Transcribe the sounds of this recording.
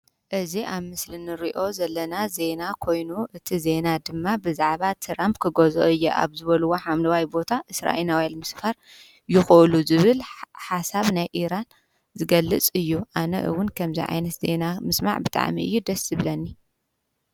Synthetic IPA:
ʔɨziʔaβmɨslinɨɾiʔo̞zɐlːɐnaze̞nakʰo̞jnuʔɨt̪ʰize̞nad̪ɨmːabɨzaʕβat̪ʰɾampkʰɨɡozo̰ʔɨjːeʔa̰βzɨβɐluwo̞ħamlɐwajbo̞t̪ʰaʔɨsɾa̰ʔenawelmɨsfaɾ | jɪxɨʔluzɨβɨlħasaβnajʔiɾan | zɨɡɐlːɨt͡sʼɨjːuʔanɐ̰ʔɨ̰wʊnkʰɐmzḭʕa̰jnɐt̪ze̞namɨsma̰ʕbɨt̪ʼa̰ʕmḭɨ̰jːud̪ɐszɨβlɐnːi

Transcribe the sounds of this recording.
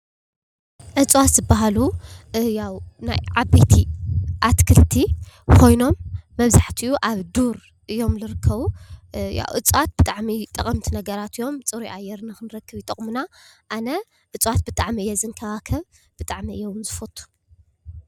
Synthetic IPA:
ʔɨt͡sʼwat̪z̥ɨbaɦalujawnajʕabet̪ʰiʔat̪kʰɨlt̪ʰikʰo̞jno̞mːɐβzaħt̪ʰiʔuʔaβd̪uɾ | ʔɨjo̞mlɨɾɨkʰːɐβuja̰wʔɨt͡sʼwat̪̚b̥ɨt̪ʼaʕmit̪ʼɐkʼɐmt̪ʰinɐɡɐɾat̪ɨjo̞mt͡sʼɨɾuiʔajːɛɾnɨxɨnɨɾɐkʰːɨβjɪt̪ʼɐχʼmunaʔanɐ | ʔɨt͡sʼwat̪̚bɨt̪ʼaʕmiɨjːɛzɨŋkʰɐβakʰɐβ | b̥ɨt̪ʼaʕmiɨjɛwnzɨfot̪ʰʼːu̥

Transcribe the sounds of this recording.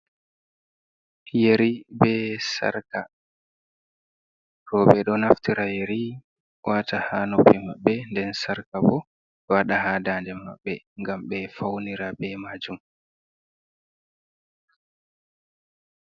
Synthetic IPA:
jeɾibɛsa̰ɾka | ɾɔɓɛɗɔnaftiɾajeɾi | wʔatahaːnopːimaɓːɛndɛnsaɾkabɔ | waɗahadandɛma̰ɓːɛ | ŋɡamɓɛfawniɾabɛmaːd͡ʒum

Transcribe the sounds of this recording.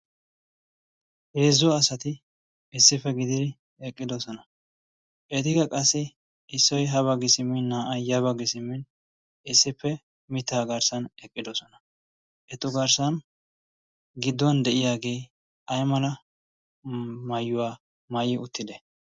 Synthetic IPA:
heːzːʊwaːsɐt̪ɪ | ɪsːɪfːɛɡɪd̪ɪd̪ɪ | ɛkʼːɪd̪ɔsɔnɐ | ʔɛt̪ɪɡɐkʼɐsːɪ | ɪsːɔjɦɐβɐɡɪsɪmɪnːaːʔɐjjɐβɐɡɪsɪmːɪn | ɪsːɪpːɛ | mɪt̪ːaːɡɐɾsɐnɛkʼːɪd̪ɔsɔnɐ | ʔɛt̪ːʊɡɐɾsɐn | ɡɪd̪ːɔnd̪ɛʔɪjaːɡe̞ː | ɐjmɐlɐ | mɐjːʊwaː | mɐjɪʊt̪ːɪd̪ɛ

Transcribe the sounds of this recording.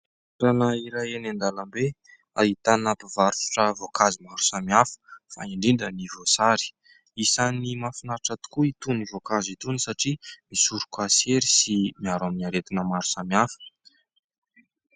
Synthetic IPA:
ɾanaiɾajenend̪alambe | ait̪anap̪ivaɾfu̥ʈ͡ʂəvokazimaɾu̥samiafə̥fa̰iɳɖ͡ʐiɳɖ͡ʐənivosaɾi̥ | isanimafinaɾʈ͡ʂat̪u̥kuit̪univokazit̪unisaʈ͡ʂimisuɾukaseɾisimiaɾaminaɾet̪inəmaɾu̥samiafə̥

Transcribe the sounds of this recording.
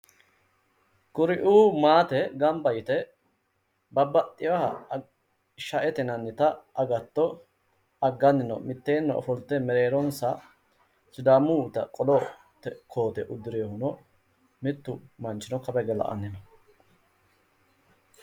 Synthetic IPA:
kʊɾɪʔuːmaːt̪ɛɡɐmbɐjt̪ɛ | bɐbːɐt̪ʼːɪwɐhɐ | ʃɐʔɛt̪ɛnɐnːɪt̪ɐʔɐɡɐt̪ːɔ | ɐɡːɐnːɪnɔ̰mɪt̪ːeːnːɔɔ̰fɔlt̪ːɛmɛɾeːɾɔnsɐ | sɪd̪aːmuːt̪ɐkʼɔlɔ | t̪ɛkʰo̞ːt̪ɛʔʊd̪ːɪɾeːhʊnɔ | mɪt̪ːʊmɐnt͡ʃːɪnɔkɐbɛɡɛlɐ̰ʔɐ̰nːɪnɔ

